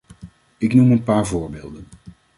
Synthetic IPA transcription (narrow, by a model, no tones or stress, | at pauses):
ɪknumənpaːɹvoːɹbeːlˠdən